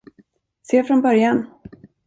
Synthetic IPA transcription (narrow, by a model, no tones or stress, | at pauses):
seːfɾɔnbœɾjan